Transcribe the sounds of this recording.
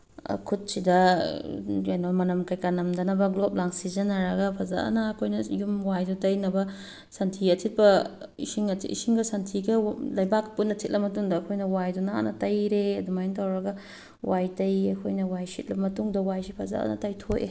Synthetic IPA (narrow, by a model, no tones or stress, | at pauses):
kʰut̚sidɐ | jajnɐmɐnɐmkajkanɐmdɐnɐbɐɡlop̚laŋsizɐnɐɾɐɡɐpʰɐza̰ʔɐ̰nɐːkʰojnɐjumwajdutɐjnɐbɐ | sɐntʰiɐtʰit̚pɐḭsiŋɐḭsiŋɡɐsɐntʰiɡɐlɐjbak̚punɐtʰit̚lʔɐmːɐtuŋdɐːkʰojnɐwajdunaa̰nɐtɐjɾeɐdumajntawɾɐɡɐ | wajtɐjɐkʰojnɐwajsit̚lɐmɐtuŋdɐwajsipʰɐza̰ɐ̰nɐ̰tɐjtʰojʔḛ